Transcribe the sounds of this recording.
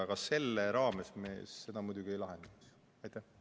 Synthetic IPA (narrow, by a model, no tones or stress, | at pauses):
ɑɡ̥ɑse̞lːeɾɑːmesme̞̰ːsːe̞d̪̥ɑmujd̪uɡiejlɑɦe̞nd̪̥ɑks | ɑjt̪ːˑæh